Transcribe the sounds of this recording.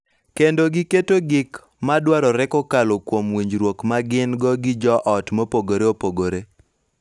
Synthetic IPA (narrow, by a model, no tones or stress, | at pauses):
kendoɡɪketoɡɪk | madwaɾɔɾɛkɔkalokwomwiɲd͡ʒɾwokmaɡɪnɡɔɡɪd͡ʒɔʔɔtmopoɡoɾeopoɡoɾe